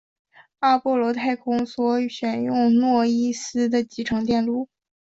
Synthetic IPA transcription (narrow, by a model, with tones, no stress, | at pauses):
a˥˧pɔ˥˩lwɔ˧˥t̪ʰa˥˩ɪkʰʊ˥ŋswɔ˧˥ɕɥɛ˨˩njʊ˥˧ŋnwɔ˥˩i˥sɹ̩˥d̪ə˨t͡ɕi˧˥ʈ͡ʂʰɤ˧˥ŋt̪jɛ˥˧nlu˥˩